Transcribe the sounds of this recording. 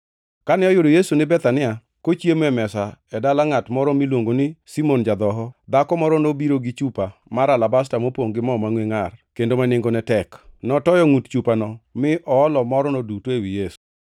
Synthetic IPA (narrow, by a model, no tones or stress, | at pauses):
kanɪɔjʊdɔjesunɪbɛt̪anɪa | kot͡ʃjemɛmɛsaɛdalaŋatmɔɾɔmilwoŋɡonɪsimond͡ʒad̪ɔɦɔd̪akɔmɔɾɔnobiɾoɡɪt͡ʃupamaɾalabas̬tamopwoŋɡɪmɔmaŋweŋarkendomanɪŋɡonɛtɛknɔtɔjɔŋutt͡ʃupanɔmɪʔɔːlɔmɔɾɔnodutewijesu̥